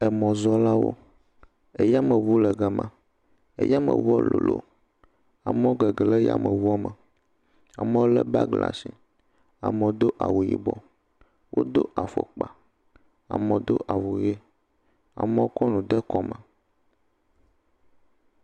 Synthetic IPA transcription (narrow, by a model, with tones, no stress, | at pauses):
ɛ˨mɔ̃˨zɔ˦la˦wo̰˦ | e˦ja˦mə˨vu˦lɛ˨ɡɛ˨mã̰˨ | ḛ˦ja˦mə̰˨vu˦ɔ˦lo̰˨lo̰˦ | a˨m˦ɔ̃˦ɡɛ˨ɡlɛ˦ja̰˨mɛ˨vu˦ɔ˦mə˨ | a˨mẽ˦wo˦lɛ˦ba̰˦ɡla̰˨si˨ | a̰˨mɛ˨d̪o˦ʔa˨wu˨jḭ˨bɔ˨ | wʔo̰˦d̪o˦ʔa˨fo̰˨k͡pa˨ | a̰˨mɛ̃˨d̪o˦ʔa˨vu˨je˦ | a̰˨mɛ̃˦o˦kɔ˦nũ˨d̪ɛ˦kɔ˦mə̃˨